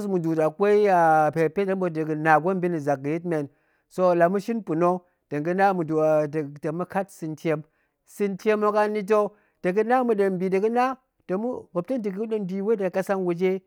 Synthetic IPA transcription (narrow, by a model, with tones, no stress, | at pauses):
smu˨du˨da˨kʷe˦i˦a˨pe˨pe˦də˦mbo˨də˨ɡɨ˨na˨ɡʷo˦m˦bi˦ni˨za˨k̚ɡɨ˨ji˦t̬me˨n | so˧˨la˨mu˦ʃi˦npu˨no˦ | d̥ə˨ŋɡɨ˦na˦mu˨du˨a˨dta˨mu˦ka˦tsɨ˧ntʲe˧m | sɨ˦ntʲe˦mo˦ka˦ni˦t̬o˦ | d̥ə˨kɨ˦na˦mu˨ɗe˨mbi˨də˨kɨ˦na˦ | də˨mu˦bo˨p̚te˦ndi˨kɗə˦nbi˨we˦da˨ka˦sa˦ŋwu˦d͡ʒe˦